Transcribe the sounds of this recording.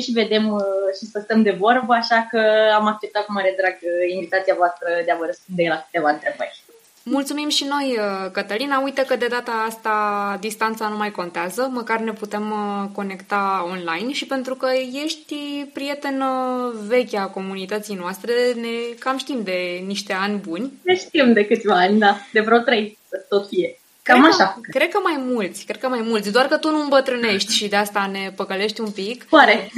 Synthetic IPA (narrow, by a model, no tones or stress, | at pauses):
ʃive̞d̪e̞mʃisəst̪əmd̪e̞vo̞rbəaʃakəamak̚t͡ʃep̚t̪at̪̚kumaɾed̪ɾaɡinvit̪at̪siavoast̪ɾəd̪eavəɾəspund̪elakɨ̥t̪e̞vaɨnt̪ɾe̞bə̰rʲ | mult̪sumimʃino̞jəkət̪əlinaujt̪əkəd̪e̞d̪at̪aːst̪ad̪ist̪ant̪sanumajko̞nt̪eazəməkarne̞put̪e̞mko̞ne̞kt̪ao̞nlajnʃipe̞nt̪ɾukəje̞ʃt̪ʲpɾije̞t̪e̞nəve̞kʲako̞munit̪ət̪sijnoast̪ɾe̞ne̞kamʃt̪imd̪e̞niʃt̪e̞anʲbunʲneʃt̪imd̪e̞kɨt̪sʲvaanʲd̪ad̪e̞vɾot̪ɾejsət̪ot̪fije | kamaʃakɾe̞d̪̚kəmajmult̪sʲkɾe̞d̪̚kəmajmult̪sʲd̪oarkət̪unumbət̪ɾɨne̞ʃt̪ʲʃid̪east̪ane̞pəkəle̞ʃt̪ʲumpikoaɾe̞